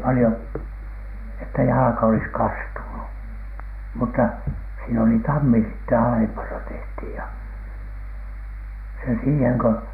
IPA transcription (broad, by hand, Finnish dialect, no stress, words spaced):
pɑlĭhon etːæ jɑlɑ̆kɑ olis kɑstunu mutːɑ siːn oli tɑmːi sitːe ɑlempɑnɑ tehthiˑj jɑ se siːheŋ kø